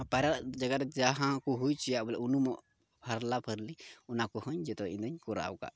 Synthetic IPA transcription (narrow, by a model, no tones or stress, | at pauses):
paɾaʔd͡ʒaɡaɾd͡ʒaɦãkuɦujt͡ʃijaʔbɔlɛʔunumɔʔ | pʰaɾlapʰəɾliɔnakɔhɔ̃ɲd͡ʒɛt̪ɔḭ̃d̪əɲkɔɾa̰wka̰ʔ